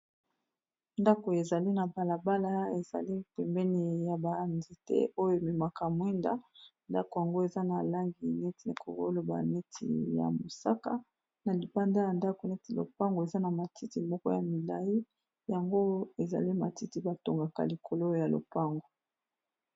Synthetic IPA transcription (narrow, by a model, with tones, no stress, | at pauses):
nda˦ko˨e˨za˨li˦na˨ba˨la˨ba˦la˦e˨za̰˨li˦pɛ˨mbɛ˦ni˨ja˨ba˨ndi˨tɛ̰˦o˦jo˦e˨mi˨ma˨ka˨mwɛ˦nda̰˦nda˦ko˨ja˨ŋɡo˦e˨za˦na˨la˦ŋɡi˨ne˦ti˨kʰo̰˨ɡo̰˦lo˨ba̰˨ne˦tʰḭ˨ja̰˨mo˨sa˦ka˦ | na˨li˨ba˦nda˦ja˨nda˦ko˨nɛ˦ti˨lo̰˨pa˦ŋɡo˨e˨za˦na˨ma˨tʰi˦ti˨mɔ˦kɔ˦ja̰˨mi˨la˨ji˦ | ja˨ŋɡo˦e˨za̰˨li˦ma˨ti˦ti˨ba˨to˨ŋɡa˨ka̰˨li˨kʰo˨lo˦o˦˨ja˨lo̰˨pa˦ŋɡo˨